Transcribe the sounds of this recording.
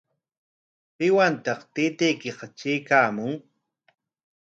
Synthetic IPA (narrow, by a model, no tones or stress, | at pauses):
pɪwant̪ɑqt̪ɪːt̪ejkɪɢɑt͡ʃeːkaːmʊŋ